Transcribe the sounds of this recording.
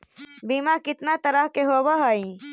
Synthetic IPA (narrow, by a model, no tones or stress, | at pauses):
biːmakɪt̪nat̪əɾəɦkeɦobaɦəĩ